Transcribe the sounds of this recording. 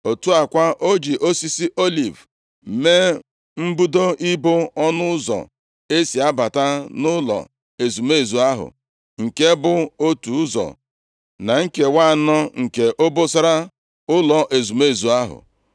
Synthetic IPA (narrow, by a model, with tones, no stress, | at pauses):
o˨tu˦a˨kʷa˦ʔo˦d͡ʒi˨ʔo˦si˦si˦ʔo˦li˨v | me˦ | m̩˦bu˦do˦i˦bʊ˦ɔ˦nʊ˦zɔ̰˨ | e˦si˨a˦ba˨ta˦nʊ˦lɔ̰˨ | e˨zu˨me˦˨zu˨a˦ɦʊ̰˨ | ŋ̩˨ke˦bʊ˨o˦tu˨ʊ˦zɔ̰˨ | na˨ŋ̩˦ke˨wa˦˨nɔ˦ŋ̩˨ke˨ʔo˦bo˦sa˦ɾa˦ | ʊ˦lɔ˨ʔe˨zu˨me˦˨zu˨a˦ɦʊ̰˨